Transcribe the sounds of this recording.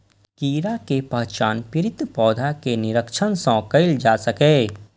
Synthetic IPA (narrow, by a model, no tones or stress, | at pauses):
kiːɾakepɐɦt͡ʃaːnpɪɾɪt̪pɔːd̪ʱakenɪɾəkʃənsɔ̃ːkəɪld͡ʒaːsɐkeː